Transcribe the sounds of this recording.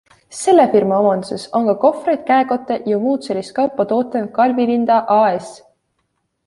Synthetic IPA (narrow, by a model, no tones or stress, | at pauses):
se̞lːefirmɑomɑnd̪̥use̞so̞ŋkɑko̞frejd̪̥̚kæeko̞t̪ˑːe̞jomuːt̪selist̪̚kɑwpːˑɑt̪o̞ːt̪ːˑenkɑlvivind̪̥ɑʔɑːes